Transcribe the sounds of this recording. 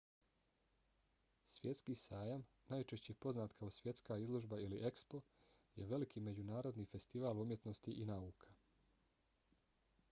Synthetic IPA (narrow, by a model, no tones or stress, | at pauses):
sʋje̞t̪skiːsaːjam | naːjt͡ʃe̞ʃt͡ɕepo̞znaːt̪kʰaosʋje̞t̪skaːizlˠo̞ʒbailiʔe̞kspo̞ | jeʋe̞likʰiːme̞d͡ʑunaːɾo̞d̪niːfe̞st̪iʋaːlumjet̪no̞st̪iʔinauːkʰḁ